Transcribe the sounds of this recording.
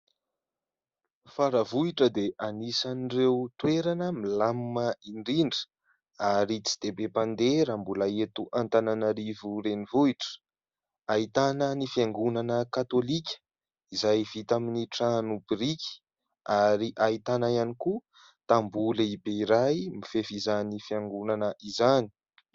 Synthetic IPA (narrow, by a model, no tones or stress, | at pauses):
faɾəvuiʈ͡ʂəd̪eʔanisanirewt̪weɾanəmilamməiɳɖ͡ʐiɳɖ͡ʐə̥ | aɾit͡si̥d̪̥ebepand̪eɾambulaet̪uʔant̪ananaɾivuɾenivuiʈ͡ʂə̥ | ait̪anənifiaŋɡunanəkat̪olikʲə̥ | izajv̥it̪aminiʈ͡ʂanubiɾikʲi̥ | aɾiʔait̪anaianiku | t̪ambuləibeiɾajmifefizanifiaŋɡunanəʔizani̥